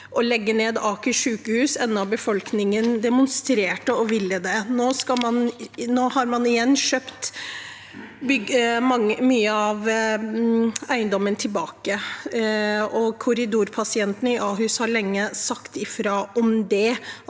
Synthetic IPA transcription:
ʔɔlɛɡːəneːd̪ɑːkʉʂʉːkəhʉːsɛnːɑbəfɔlknɪŋənd̪ɛmʊnst̪ɾeːʈəɔʋɪlːəd̪ɛnoːskɑmɑnnoːhɑɾmɑnɪjɛnːʃøːpt̪ | bʏɡmɑŋəmyːəɑʋ | æɪənd̪ɔmːənt̪ʰɪlbɑːkə | ɔkʰʊɾɪd̪uːɾpʰɑsɪɛnt̪ənəɪʔɑːɦʉːshɑɾɭɛŋːəsɑkt̪ɪfɾoːɔmd̪ɛ

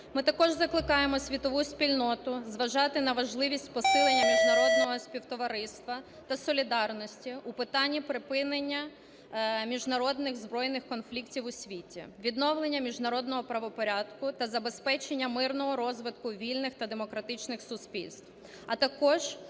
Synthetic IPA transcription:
mɪt̪ɐkɔʒzɐklˠɪkɑjemɔsʲʋʲit̪ɔʋusʲpʲilʲnɔt̪ʊzʋɐʒɑt̪ɪnɐʋɐʒlˠɪʋʲisʲtʲpɔsɪlˠenʲːɐmʲiʒnɐɾɔd̪nɔɦɔsʲpʲiwt̪ɔʋɐɾɪst̪ʋɐ | t̪ɐsɔlʲid̪ɑrnɔsʲtʲiupɪt̪ɑnʲːipɾɪpɪnenʲːɐ | mʲiʒnɐɾɔd̪nɪɣzbɾɔjnɪxkɔnflʲiktʲiwʊsʲʋʲitʲḭʋʲid̪nɔwlˠenʲːɐmʲiʒnɐɾɔd̪nɔɦɔpɾɐʋɔpɔɾʲad̪kʊt̪ɐzɐbespɛt͡ʃenʲːɐmɪrnɔɦɔɾɔzʋɪt̪kʊʋʲilʲnɪxt̪ɐd̪emɔkɾɐt̪ɪt͡ʃnɪxsʊsʲpʲḭlʲst̪w | ɐt̪ɐkɔʒ̥

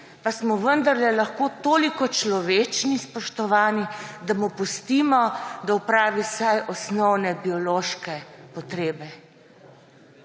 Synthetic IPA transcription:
pasmɔʋənd̪aɾlɛlaxkoːt̪oːlikɔt͡ʃlɔʋeːt͡ʃnispɔʃt̪ɔʋaːnid̪amupust̪iːmɔd̪aupɾaːʋisajʔɔsnɔwnɛbiɔloːʃkɛpɔt̪ɾeːbɛ

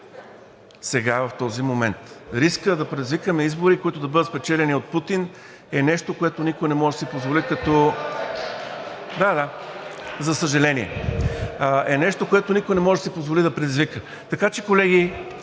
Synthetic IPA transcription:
sɛɡavɐft̪ɔzimomɛnt̪ɾiskəd̪ɐpɾɛd̪izvikəmɛizboɾikoit̪ʊd̪ɐbɤd̪t̪spɛt͡ʃɛlɛniot̪̚put̪in | ɛnɛʃt̪okoɛt̪onikojnɛmɔʒɛd̪ɐsipozvolikɐt̪ɔ | d̪ad̪a | zɐsəʒɐlɛniɛ̰ | ʔɛnɛʃt̪okoɛt̪onikojnɛmɔʒɛd̪ɐsipozvolid̪ɐpɾɛd̪izvikə | t̪ɐkat͡ʃɛkolɛɡi

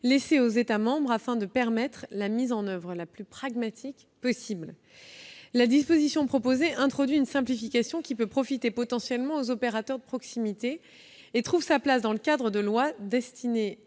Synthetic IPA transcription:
leseozet̪amɑ̃bʁafɛ̃d̪əpɛʁmɛt̪χlamizɑ̃nœvʁəlaplypχaɡmat̪ʰik | pɔsibl | lad̪ispozisjɔ̃pχɔpozeʔɛ̃t̪χɔd̪ɥiynsɛ̃plifikʲasjɔ̃kʲipøpχɔfit̪epɔt̪ɑ̃sjɛlmɑ̃ozɔpeʁat̪œʁd̪əpχɔksimit̪eː | t̪χuvsaplasd̪ɑ̃ləkʲad̪ʁəd̪əlwad̪ɛst̪ʰine

